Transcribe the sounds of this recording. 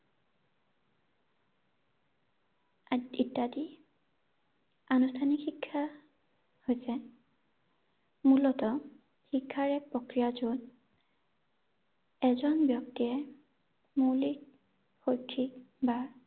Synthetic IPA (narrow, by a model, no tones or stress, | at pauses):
aitːadi | anustʰanikxikʰːa | hojsɛ | mulɔtɔ | xikʰːaɹɛk̚pɹokɹijazon | ɛzɔnbjɔk̚tiɛ | mulik̚ | xojkʰːikbaɹ